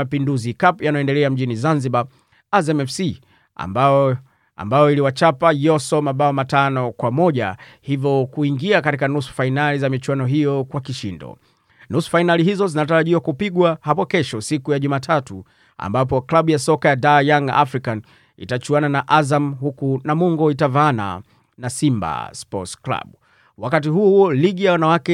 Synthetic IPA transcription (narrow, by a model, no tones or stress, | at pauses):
apinduzikapjanajɔɛndɛlɛam̩ʄinizanziɓa | azɛmɛfsi | a̰ba | a̰mbajɔiliwat͡ʃapajɔsɔmaɓaɔmatanɔkwamɔʄa̰ | hivɔkuiŋɡiakatikanusu̥fainalizamit͡ʃuwanɔɦijɔkwakiʃḭndɔ̰ | nusu̥fainaliɦizɔzinataɾaʄiwakupiɠwahapɔkɛʃɔsikujaʄumaːtʰatu | a̰mbap̬ɔklaɓujasɔkajadaːjaŋɡa̰ʔafɾikan | ḭtat͡ʃuananaʔazamhukunamuŋɡɔitavaana̰ | nasimba̰spɔ̰tskla̰ɓu | wakatiɦuliɠijawanawakɛ